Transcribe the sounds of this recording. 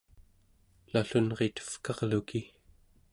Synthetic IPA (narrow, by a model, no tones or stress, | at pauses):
laɬunʁet̪ə̥fkɑʁluki